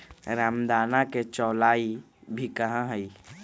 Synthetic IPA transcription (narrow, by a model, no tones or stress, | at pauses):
ɾaːmd̪aːnaket͡ʃɔːlaːi | bʱikɐɦãɦɛiː